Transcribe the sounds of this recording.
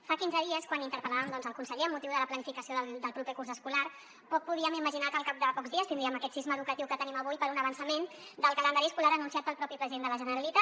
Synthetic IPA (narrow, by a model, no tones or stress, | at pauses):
fakinzəðiəskwanint̪əɾpəlaβəmd̪ɔnzəlˠkunsəʎeəmːut̪iwðələplənifikəsioðəld̪əlˠpɾupekurzəskulaɾ | pɔk̚puð̞iəmiməʒinakəlˠkap̚d̪əpɔkzðiəst̪ind̪ɾiəməkɛt̪sizməðukət̪iwkət̪əniməβ̞ujpəɾunəβ̞ənsəmen | d̪əlˠkələnd̪aɾiəskulaɾənunsiat̪̚pəlˠpɾɔpipɾəziðend̪ələʒənəɾəlit̪a